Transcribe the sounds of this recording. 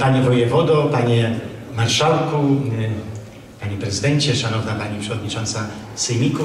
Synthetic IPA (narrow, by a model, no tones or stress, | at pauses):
paɲɛvɔjɛvɔd̪ɔpaɲɛmaɾʂawku | paɲɛpɾɛzɨd̪ɛɲt͡ɕɛʂanɔvnapaɲipʂɛvɔd̪ɲit͡ʂɔnt̪sasɛjmʲiku